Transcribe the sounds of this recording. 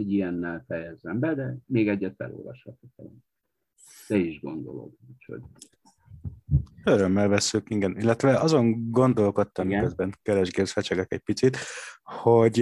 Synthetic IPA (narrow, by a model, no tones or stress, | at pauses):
oɟiɛnːɛlfɛjɛzːɛmbɛd̪ɛmeːɡɛɟːɛt̪fɛ̰lo̰ːlvɒ̰ʃhɒt̪okɛlɛn | d̪̥ɛiʒɡo̞nd̪o̞̰lo̰ɡucho̰ɟ | øɾø̞mːɛlvɛsːykiŋɡɛnilːɛt̪ʋɛʔɒzo̞ŋɡo̞nd̪o̞lko̞t̪ːɒmikøzbɛŋkɛɾɛʒɡeːrsfɛt͡ʃɛɡɛkɛc̚pit̪sit̪ho̞ɟ